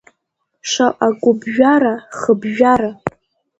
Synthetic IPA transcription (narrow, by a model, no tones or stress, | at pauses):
ʂʷaʔaɡʷʊbʒᶣaɾaχəbʒᶣaɾa